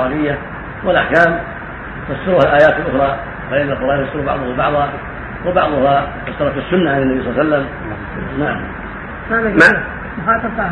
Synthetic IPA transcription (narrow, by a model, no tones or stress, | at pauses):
aːlɪjːa | wɪlʔaħkaːm | fasːɪɾʊhalʔaːjaːt̪ɪlʔʊxɾˤɑː | banalqɑɾˤɑːnasɪɾbɑ̰ʕðˤʊhabɑ̰ʕðˤha | wɪbɑʕd̪ˤʊhafasːɑɾˤɑt̪ɪsːʊnːaʕanɪnːabisˤɑˤlːɑsalːam | naʕa | ama | ɑːt̪ɑf